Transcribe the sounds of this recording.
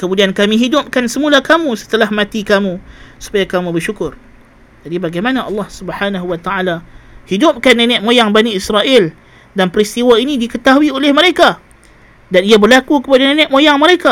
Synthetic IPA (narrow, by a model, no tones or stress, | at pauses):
kəmudiankamĩɦidʊp̚kansəmulakamũsə̥t̪əlahmãt̪ikamũsu̥pajakamũbərʃukʊr | d͡ʒadibaɡajmanaʔɑlːɑhsubəhanaɦuwat̪aalahidʊp̚kanːenɛʔmojaŋbaniisɾaʔɪl | danpəɾist̪iwainĩdikət̪aɦuiolɛhməɾeka | daniabərlakukəpadanẽnɛʔmojaŋməɾeka